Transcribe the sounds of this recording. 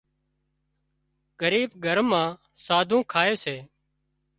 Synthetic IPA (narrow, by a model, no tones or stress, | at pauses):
ɡəɾiːbɡʱəɾmãː | saːd̪ʱũːkʰaːeːseː